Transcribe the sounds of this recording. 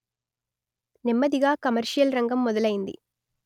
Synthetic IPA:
nimːɐd̪iɡaːkɐmɐɾʂijɐlɾɐŋɡɐmːɔd̪ɐlɐjind̪ḭ

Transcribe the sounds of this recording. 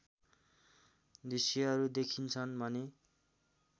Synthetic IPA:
d̪isjʌʌɾud̪ekʰint͡sʰʌnbʱʌne

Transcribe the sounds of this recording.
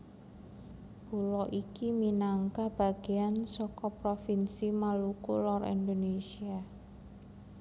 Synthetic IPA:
b̥ulɔʔikiminaŋkahb̥a̤ɡ̥e̤ansɔkɔpɾofinsimalukulɔrḭnd̪onesia

